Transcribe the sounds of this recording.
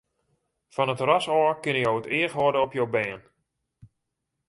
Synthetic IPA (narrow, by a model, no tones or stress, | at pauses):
fɔnətrɔsɔːkɪnəjowətɪːəxɦɔdəɔpjowbɛːn